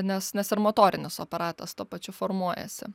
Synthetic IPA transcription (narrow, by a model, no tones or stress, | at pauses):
nʲɛsnʲɛsɪɾmoːt̪oːɾʲɪnʲɪso̰ːpɐɾɑːt̪ɐst̪uɔpɐt͡ʃʲʊfoɾmuɔjɛ̰sʲɪ̰